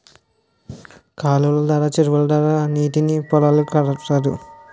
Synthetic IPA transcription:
kaːlulɐd̪aːɾaːt͡ʃeɾuʋɐlɐd̪aːɾaːniːʈinipɔlɐlukɐɽɐʈɐd̪ṵ

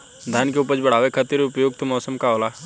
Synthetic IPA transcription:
d̪ʱankeʊpəd͡ʒbɐɽ̤aːʋekʰɐt̪iɾʊpjoːɡ̚t̪omɔːsəmkaoːlaː

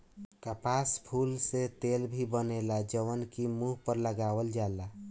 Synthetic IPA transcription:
kəpaspʰulset̪elbʱibənelad͡ʒəwənkimuɦpəɾləɡawəld͡ʒaela

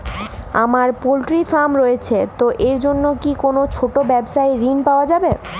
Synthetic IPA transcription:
a̰maɾpolʈɾifamɾojet͡ɕʰet̪oʔeɾd͡ʑonːokikonot͡ɕʰoʈobɛbʃaeɾinpaoad͡ʑabe

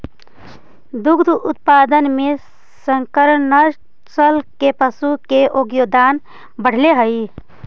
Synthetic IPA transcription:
d̪ʊɡd̪ʱʊt̪̚paːd̪ənmẽ | səŋkəɾənəɾ | t͡ʃəlkepəsukeʔoːɡjoːd̪aːn | bəɽ̤leɦəi

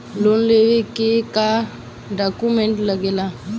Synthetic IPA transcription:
lonlewekeka | ɖakumɛ̃ɳʈləɡela

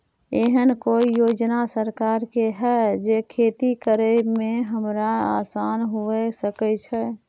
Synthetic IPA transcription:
eɦənkoijoːd͡ʒnasəɾkaːɾkeɦɛd͡ʒekʰeːt̪ikəɾəmẽɦəmɾaa̰saːnɦuesəkət͡ʃʰɛ

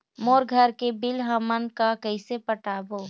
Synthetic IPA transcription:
moːɾɡʱəɾkebɪlɦəmənkakəɪsepəʈaːboː

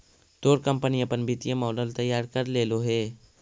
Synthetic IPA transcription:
d̪̥oːɾkə̃mpəniɐpənbɪt̪ijemɔːɖəlt̪əjːaːɾkəɾleːloɦeː

